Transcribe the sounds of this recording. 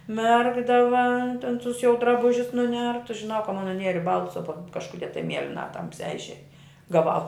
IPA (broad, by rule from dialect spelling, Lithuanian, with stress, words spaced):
ˈmʲɛrɡdɐʋɐ tʲɛn tʊs jɛʊ drɐˈbʊʒʲʊs nʊˈnʲɛrtʊs ʒʲɪˈnɐʊ kɐ mɐn nʊˈnʲiɛrʲɪ ˈbɐlˠtʊs oː tɐm kɐʃkʊˈdʲiɛ tɐɪ ˈmʲiɛlʲɪnɐ ˈtɐmʲsʲæː ɪʃʲˈeːj ɡɐˈʋɐʊ